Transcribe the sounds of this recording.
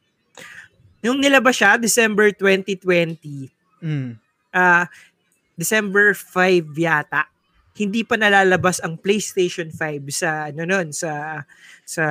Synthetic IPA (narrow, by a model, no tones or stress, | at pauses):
nʊŋnɪlɐbɐʃad̪ɪsɛmbɛɹt̪wɛnt̪it̪wɛnt̪i | ʔaː | d̪ɪsɛmbɛɹfajvjaːt̪ɐʔ | hɪnd̪ipɐnɐlaːlɐbasɐŋplejst̪ejʃonfajbsɐɐnononsɐ | sɐ